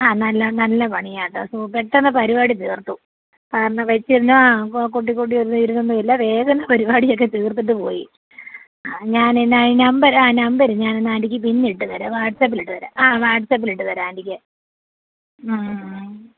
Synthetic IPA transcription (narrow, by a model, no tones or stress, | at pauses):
aːnɐlːɐnɐlːɐpɐɳijaːʈːɨsupeʈːɐnːɐpɐɾibaːɽit̪iːrt̪ːu | kaːɾɐɳːɐmʋɐt͡ɕːiɾunːuaːkoʈ̬ːikːoʈ̬ːiʋɐɾunːuiɾunːumːɐilːɐʋe̞ːɡɐnːɐpɐɾibaːɽijo̞k̬ːe̞t̪iːrt̪̬ːiʈ̬ːɨpo̞̰ːjḭ | aɲaːnnainɐmbɐɾaːnɐmbɐɾɲaːnenːaːndikʲːɨpinːiʈːɨʋɐɾɐʋaːʈsɐp̬ːiliʈːɨʋɐɾa̰ʔaːʋaːʈsɐːp̬ːiliʈːɨʋɐɾaːɐndikʲːɨ